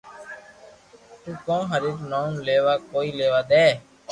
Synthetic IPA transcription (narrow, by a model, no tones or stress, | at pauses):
t̪ũːkõːɦəɾiːɾnoːnleːʋaːkoːiːleːʋaːd̪eː